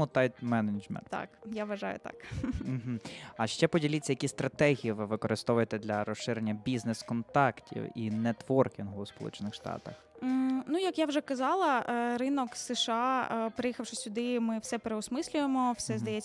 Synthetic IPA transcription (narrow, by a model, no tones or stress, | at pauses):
ʊt̪ajt̪mɛnɐnd͡ʒmɛ̰nt̪a̰kjaʋɐʒɑ̰jʊ̰t̪ɑ̰km̩ɦ̩ɐʃt͡ʃɛpɔdʲilʲɪt͡sʲːɐjɐkʲist̪ɾɐt̪ɛɦʲijiʋɪʋɪkɔɾɪst̪ɔʋʊjet̪ɛd̪lʲɐɾɔsɪɾenʲːɐbʲiznɛskɔnt̪ɑktʲʰḭwḭnɛt̪ʋɔrkʲinɦʊwspɔlˠṵt͡ʃenɪxʃt̪ɑ̰t̪ɐx̩nujɐkjawʒɛkɐzɑlˠɐɾɪnɔksɛʃɑpɾejixɐwʂɔsʲːʊd̪ɪmɪwsɛpeɾeʊsmɪsʲlʲʊjemɔwsɛzd̪ɐjɛ